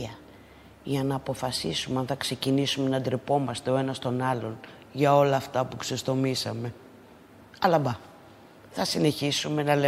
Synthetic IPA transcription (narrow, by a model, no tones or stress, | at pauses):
ɐ | ʝɐnɐːpo̞fɐsisumeɐnθɐkse̞cinisume̞nɐd̪ɾipo̞mɐst̪e̞o̞e̞nɐst̪o̞nɐlo̞n | ʝɐo̞lɐːft̪ɐpuksest̪o̞misɐme̞ | ɐlɐbɐ | θɐsine̞çisume̞nɐle